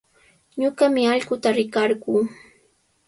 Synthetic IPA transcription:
ɲʊɢamɪaʎɢʊt̪aɾɪkɑɾɢuː

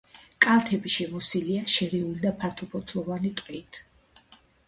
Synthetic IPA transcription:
kʼalˠt̪ʰɛbiʃɛmɔsiliaʃɛɾɛulid̪apʰaɾt̪ʰɔpʰɔt̪ʰlɔvanit̪ʼqʼit̪ʰ

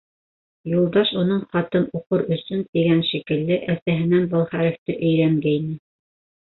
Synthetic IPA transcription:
julˠd̪ɑʃunɤɴχɑt̪ɤnuqɤɾɵ̆sɵnt̪iɡænʃikɘ̆lːɘʔæsæɦɘ̆nænbɤlˠχæɾɘ̆ft̪ɘʔɵ̆jɾæŋɡæinɘ

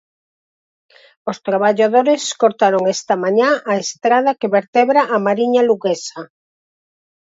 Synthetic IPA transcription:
ost̪ɾaβaʎaðoɾeskoɾt̪aɾoŋest̪amãɲãʔaest̪ɾað̞akeβeɾt̪eβɾaʔːmaɾiɲaluɣesa

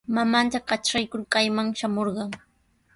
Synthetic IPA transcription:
mamant̪aqɑt͡ʃɾajkʊɾkajmaŋʃamoɾɢɑŋ

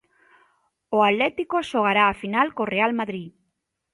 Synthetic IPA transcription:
oallet̪ikoʃoɣ̞aɾaːfinalkorealmaðɾi

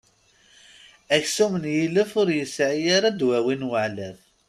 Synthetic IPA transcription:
æçsumənjiləfʊɾjəsʕijaɾad̪wæwinwəʕlæð

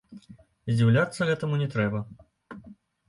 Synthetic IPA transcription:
zʲd͡zʲiwlʲat̪sːɐɣɛt̪ɐmunʲɛt̪ɾɛbɐ

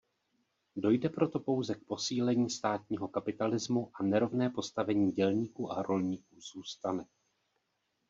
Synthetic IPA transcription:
do̞jdɛpɾo̞t̪o̞po̞wzɛk̚po̞siːlɛɲiːst̪aːt̪̚ɲiːɦo̞kapɪt̪alɪzmuʔanɛɾo̞vnɛːpo̞st̪avɛɲiːɟɛlɲiːkuːʔaɾo̞lɲiːkuːz̥uːst̪anɛ

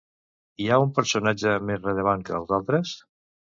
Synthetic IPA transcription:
iaumpəɾsunad͡ʒəmezrələβ̞aŋkəlˠzalˠt̪ɾəs

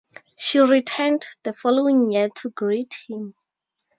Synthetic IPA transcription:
ʃiɹitʰɛndðəfɔloĩŋjɛtʰuɡɹithĩm

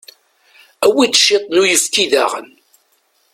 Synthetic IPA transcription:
æwid̪ʃet̪ˤnujəfkiða̰ʁə̰n

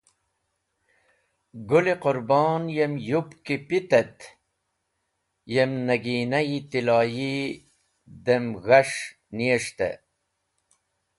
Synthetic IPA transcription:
ɡuliqʊɾbɑːnjemjupkipit̪et̪ | jemnɐɡiːnɐjit̪ilaːji | d̪emɣɐʂ | nieʂt̪ḛ

